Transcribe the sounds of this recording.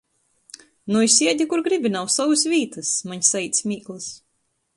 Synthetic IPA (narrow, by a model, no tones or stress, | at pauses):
nuisʲiɛd̪ʲikuɾɡɾibʲinawsawɨs̬vʲiːt̪ɨsmaɲsait̪sʲmʲiːklˠɨs